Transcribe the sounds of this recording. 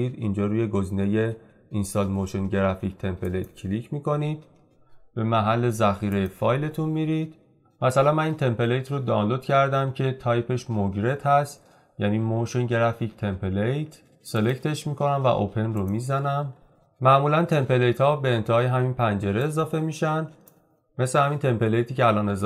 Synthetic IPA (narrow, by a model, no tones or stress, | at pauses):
iɾind͡ʒɒːɾuːje̞ɡoziːne̞je̞ | inst̪ɒːlmoʃonɟeɾæfict̪ʰe̞mpʰelejt̪cʰlicʰmiːko̞niːd̪̥ | b̥e̞mæɦælːe̞zæxiːɾejefɒːjle̞t̪ʰunmiːɾid̪̥ | mæsælænmæniːnt̪ʰe̞mpe̞lejt̪ʰrod̪ɒːnlod̪cʰæɾd̪æmcʰe̞t̪ʰɒjpʰe̞ʃmoɟɾe̞t̪ʰhæst̪ | jæniːmoʃonɟeɾæficʰt̪ʰe̞mpʰelejt̪ʰ | se̞le̞ct̪ʰe̞ʃmiːko̞næmvæ̰ʔo̰pʰe̞nromiːzænæmː | æʔmuːlænt̪ʰe̞mpe̞lejt̪hɒːbe̞ːnt̪ʰehɒːjeɦæminpʰænd͡ʒe̞ɾe̞ːzɒːfe̞miːʃænd̪ | me̞slehæmint̪ʰe̞mpe̞lejt̪ʰiːceælɒːne̞z